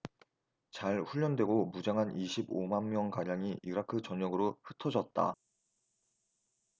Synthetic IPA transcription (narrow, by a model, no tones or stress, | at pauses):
t͡ɕaɭɸuʎːʌndwe̞ɡomud͡ʑaŋɦanʔiɕʰibomanmjʌŋkaɲaŋiʔiɾakʰɯt͡ɕʌɲʌɡɯɾoɸɯ̥tʰʌd͡ʑʌt̚t͈a̰